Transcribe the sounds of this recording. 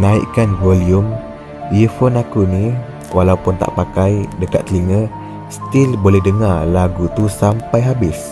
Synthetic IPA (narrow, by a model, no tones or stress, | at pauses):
naḭʔkanvolium | ifonakuni | walaupʊnt̪a̰ʔpakajdəkat̪liŋə | st̪ilbolɛhdəŋarlaɡut̪usampajɦabɪs